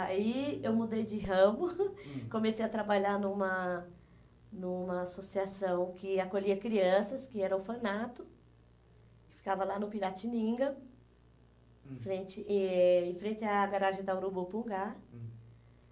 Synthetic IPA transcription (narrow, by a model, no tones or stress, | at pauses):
aiewmud̪ejd͡ʒɪɦɐ̃mʊkõmesejɐt̪ɾabaʎanũmɐ | nũmɐːsosiasɐ̃w̃kɪakoʎiɐkɾiɐ̃sɐskɪɛɾɐʊfɐnat̪ʊ | ɪ̥fi̥kavɐlanʊpiɾat͡ʃinĩɡɐ | fɾẽnt͡ʃɪɪ̃fɾẽnt͡ʃɪaɡaɾaʒẽd̪ɐwɾubupũŋɡa